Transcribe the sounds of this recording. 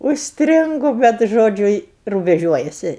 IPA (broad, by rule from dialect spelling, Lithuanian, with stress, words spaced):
ʊʃʲsʲˈtʲrʲɪŋɡʊ ˈbʲɛt ˈʒoːd͡ʒʲʊ ɪ rʊbʲɛˈʒʲuɔjɛsʲɪ